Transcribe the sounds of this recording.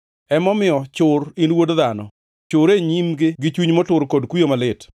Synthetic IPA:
ɛmɔmɪɔt͡ʃʊrɪnwodd̪anɔ̰ | t͡ʃʊɾeɲimɡɪɡɪt͡ʃwiɲmɔtʊɾkodkwijomalɪt

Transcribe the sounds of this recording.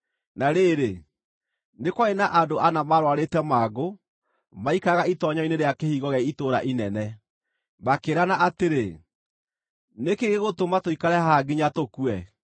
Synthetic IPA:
naɾeɾe | nekwaenaʔandoanamaɾwaɾetɛmaːɡo | maikaɣaitɔɲɔineɾeakehiɣɔɣɛitoɾa̰ʔinɛnɛ | makeɾanaʔateɾe | nekeɣeɣotomatoikaɾɛhaɡeɲatokuɛ

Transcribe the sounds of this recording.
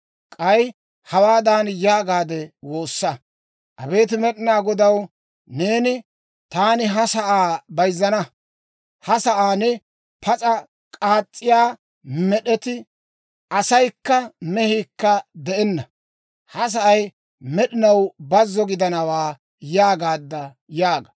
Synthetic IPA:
kʼɐj | hɐwaːd̪aːnjaːɡaːd̪ɛwo̞ːsːɐ | ʔɐbe̞ːt̪̬ɪmɛɗɪnaːɡɔd̪ɐw | ne̞ːnɪ | t̪aːnɪɦɐsɐʔaːbɐjzːɐnɐ | hɐsɐʔaːnɛ | pʰɐt͡sʼɐ | kʼaːt͡sʼːɪjaː | mɛɗɛt̪ɪ | ʔɐsɐjkːɐmɛhiːkːɐd̪ɛɛnːɐ | hɐs̬ɐʔɐj | mɛɗɪnɐwbɐzːɔɡɪd̪ɐnɐwaː | jaːɡaːd̪ːɐ | jaːɡɐ̥

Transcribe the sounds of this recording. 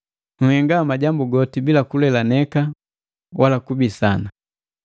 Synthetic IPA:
nuhɛŋɡamaɟambuɡɔtibilakulɛlanɛka | walakubisana

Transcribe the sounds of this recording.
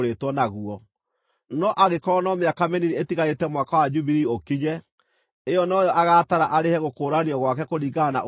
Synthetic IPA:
ɾetwɔnaɣuɔ | nɔʔaɣekɔɾɔnɔmeakamɛniɾietiɣaɾetɛmwakawad͡ʒuβiɾiokiɲɛ | ejɔnɔjɔʔaɣataɾaʔaɾehɛɣokoːɾaniɔɣwakɛkoɾiɣana̰ʔ

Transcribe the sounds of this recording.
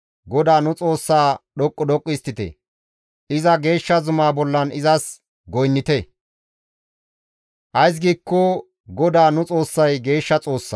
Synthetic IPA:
ɡɔd̪aːnʊt͡sʼo̞ːsːaːɗɔkʼːɔdɔkʼːɪst̪ːɪt̪ɛ̰ | ɪzɐɡe̞ːʃːɐzʊmaːbɔlːɐnɪzɐs | ɡɔjnːɪt̪ɛ | ʔɐjs̬ɡiːkːɔ | ɡɔd̪aːnʊt͡sʼo̞ːsːɐjɡe̞ːʃːɐt͡sʼo̞ːsːa̰

